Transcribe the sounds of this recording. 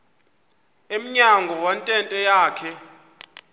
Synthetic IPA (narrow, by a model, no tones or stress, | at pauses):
em̩ɲaŋɡʱɔwantʼɛntʼɛjaːkʰɛ